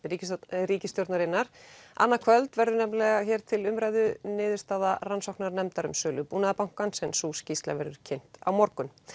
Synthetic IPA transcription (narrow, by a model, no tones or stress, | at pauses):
ɾicɾiːcɪst̪jɔwɾt̪naɾɪnːaɾ̥a̰nːakʰvœlt̪vɛɾðʏɾnɛmlɛɣaçɛːɾ̥t̪ʰɪlʏmɾajðʏnɪːðɪɾ̥st̪aːðaransɔwknaɾnɛmt̪aɾʏmsœːlʏpuːnaðapawŋ̥kansɛnsuːscist̪la̰vɛ̰ɾʏɾ̥cʰejn̥t̪a̰wmɔɾkʏn